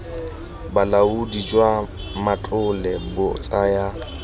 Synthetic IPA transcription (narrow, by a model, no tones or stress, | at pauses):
balaudid͡ʒwa | mat͡ɬʼʊlɛbʊt͡sʼaja